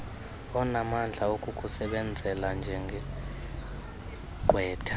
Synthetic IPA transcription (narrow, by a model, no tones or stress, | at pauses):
ɔnamand͡ɮʱaokʼukʼusɛɓɛnd͡zʱɛland͡ʒʱɛŋɡʱɛ | ǃʱwɛːtʰḁ